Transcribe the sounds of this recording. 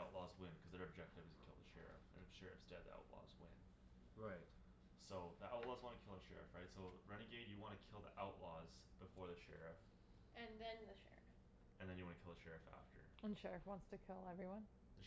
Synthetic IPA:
aʊʔˡlɔzwɪ̃nkʰʌzðɨ˞ɨb̚d͡ʒɛk̚tɨvɨzjɨkʰɪ̰lˠðəʃɛ̰ɹɨ̰fɨ̰̃nɨ̥ʃɛɹɨ̰fsd̥ɛd̪̚ðḭa̰ʊtˡlɔ̰zwɪ̰̃n | ɹaɪt̚ | soʊðiʔaʊtˡlɔzwɑ̃nɨkʰɪlˠəʃɛ̰ɹɨ̰fɹaɪtsoʊɹɛniɡeɪdjɨwɑ̃ñɨkʰɪlˠðḭʔaʊʔˡlɔz̥b̥ɨfɔɹðɨʃɛ̰ɹɨf | ɨ̃nðɨ̃nðɨʃɛ̰ɹɨf | ɨ̃nðɨ̃njɨwɑ̃nɨkʰɪlˠðəʃɛɹɨfæ̰ftə̰˞ə̃nʃɛɹɨfwɑ̃ntstɨkʰɪlˠɛvɹiwʌ̃n | ðɨ

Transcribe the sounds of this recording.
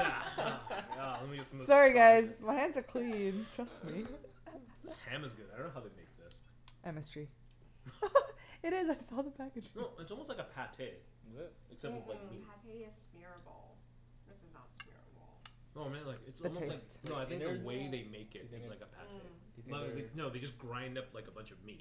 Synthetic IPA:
ælɛt̚mid͡ʒʌsm̩sɑɹiɡaɪzmaɪhæ̃ndzə˞kʰl̥ĩntʰɹ̥ʌstmi | æ̃mɨzɡʊdaɪdõnoʊhaʊðeɪmeɪk̚ðɪs | ʔɛmɨstɹ̥i | ɨɾɪzaɪsɔðəpʰækɨd͡ʒnoʊɨtsɔlˠmostlaɪkəɨpʰætʰeɪ | ɨksɛp̚tʌvlaɪmispɪɹbɔ̰lˠ | ðɪszəspɪɹbɔlˠ | oʊaɪmɛ̃nlaɪkɨtsɔðɨmtoeɪlaɪsktnoʊaɪθɪ̃ŋk̚ðəweɪðeɪmeɪkɪt̚ɨzzlaɪkəpʰæ̰tʰeɪ | aðeɪnoʊðeɪd͡ʒʌsɡ̥ɹãɪ̃ndʌplaɪkəbʌ̃nt͡ʃʌvmḭt̚

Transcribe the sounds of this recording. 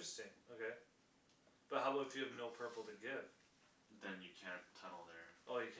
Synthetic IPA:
ɹɨstɪ̃ŋoʊkʰeɪ | b̥ʌt̚haʊlʌʊfjɨːvnoʊpʰɜ˞pl̩ˠtɨɡɪv̥ | ðɨ̃njɨkʰæ̃ntʰːʌnl̩ˠðə˞ʔoʊjɨkʰ

